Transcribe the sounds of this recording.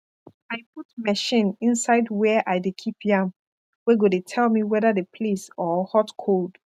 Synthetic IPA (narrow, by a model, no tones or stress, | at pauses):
ajp̚utmɛʃĩnĩnsaɪdwɛʔaɪdekʰipjãm | weɡodetʰɛlmiwɛðadepʰlesɔhɔtkʰold̥